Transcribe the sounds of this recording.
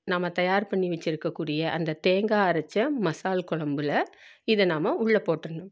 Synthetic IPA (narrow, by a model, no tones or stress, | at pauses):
naːmɐt̪ɐjaːɾpɐɳːiʋɛt͡ʃːɪɾɯkːɐkːuːɽɪjɐʔɐ̰nd̪ɐt̪eːŋɡaːɾɐt͡ʃːɐmɐsaːlkɔɭɐmbɯlɐ | ɪðɐnaːmɐʊɭːɐpːoːʈːɾɐɳɖɯm